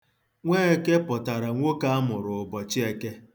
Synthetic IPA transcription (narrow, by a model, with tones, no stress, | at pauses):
ŋʷeː˦e˨ke˦pɔ˨ta˨ɾa˨ŋʷo˦ka˦a˦mʊ˨ɾʊ˨ʊ˨bɔ˨t͡ʃɪ˦e˨ke˦